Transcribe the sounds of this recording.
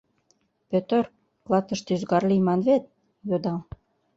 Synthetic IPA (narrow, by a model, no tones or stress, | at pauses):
pøt̪ər | klˠɑt̪ə̆ʃt̪yzɡɑrlimɑnβet̪̚ | jod̪ɑl